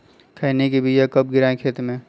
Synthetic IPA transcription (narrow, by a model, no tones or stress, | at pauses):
kʰainekebiːd͡ʒakɐp̚ɡɪɾaːẽkʰeːt̪mẽː